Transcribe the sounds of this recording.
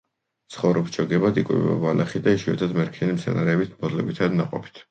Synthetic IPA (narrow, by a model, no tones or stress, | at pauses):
t̪sʰχɔvɾɔpt͡ʃʰɔɡɛbad̪ikʼwḭba̰valɛχid̪aiʃuɛ̰t̪ʰad̪mɛɾkʰinimsʰɛnaɾɛːbit̪ʰbɔzlɛbit̪ʰad̪naqʼɔpʰi̥t̪ʰ